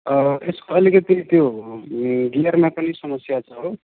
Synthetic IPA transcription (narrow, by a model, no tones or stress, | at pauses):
ʌeskoʌlikʌt̪it̪jo | ɡarmapʌnisʌmʌsjat͡sʰʌɦo